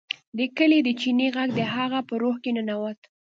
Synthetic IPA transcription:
d̪əkəled̪ət͡ʃineɣaɡd̪əɦaɣapəɾohkenənawat̪

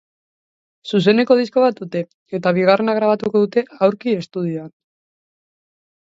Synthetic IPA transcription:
sus̬e̞ne̞ko̞ð̞isko̞βat̪ut̪e̞ | e̞t̪aβ̞iɣ̞are̞naɣ̞ɾaβat̪uko̞ðut̪e̞awɾkie̞st̪uð̞ioan

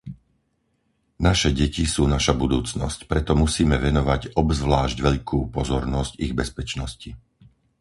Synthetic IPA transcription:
naʃɛɟɛcisuːnaʃabud̪uːt͡snɔ̰scpɾɛt̪ɔmusiːmɛʋɛnɔʋaɟɔbzʋlaːʒɟʋɛʎkʰuːpɔzɔɾnɔsciɣbɛspɛt͡ʃnɔsci

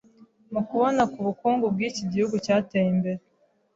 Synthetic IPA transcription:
mukuβo̞nakuβukuːŋɡub̚ɡiːciɟihuɡucaːtejimbe̞ɾe

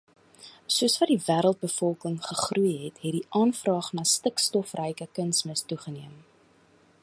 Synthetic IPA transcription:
suəsvɐdivæːɾəlˠt̚bəfɔlˠkəŋχəχrujɦɛtɦɛt̚diʔɑːnfrɑːχnɑːstəkstɔfrɛjkəkənsməstuχəniəm

